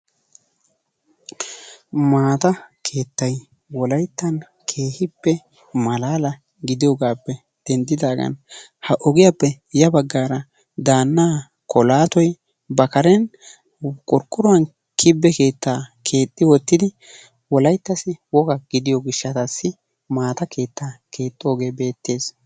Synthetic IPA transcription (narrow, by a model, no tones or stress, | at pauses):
maːt̪ɐkʰe̞ːt̪ːɐj | wɔlɐjt̪ːɐn | kʰe̞ːhɪpːɛ | mɐlaːlɐ | ɡɪd̪ɪjɔɡaːpːɛ | d̪̥ɛnd̪ɪd̪aːɡɐ̰n | hɐʔɔɡɪjapːɛ | jɐbɐɡːaːɾɐ | d̪aːnːaː | kʰɔlaːt̪ɔj | bɐkɐɾɛn | kʼɔɾkʼːʊɾɔɐn | kʰɪbːɛke̞ːt̪ːaːkʰe̞ːt̪ʼːɪwɔt̪ːɪd̪ɪ | wɔlɐjt̪ːɐsɪwɔɡɐɡ̥ɪd̪ɪjɔɡɪʃːɐt̪ɐsːɪ | maːt̪ɐke̞ːt̪ːaːkʰe̞ːt̪ʼːoɡe̞ːbe̞ːt̪ːe̞ːs